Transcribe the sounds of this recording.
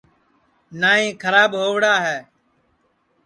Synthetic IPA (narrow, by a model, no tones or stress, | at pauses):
naːɦĩːkʰəɾaːɓɦoːʋɽaːɦɛː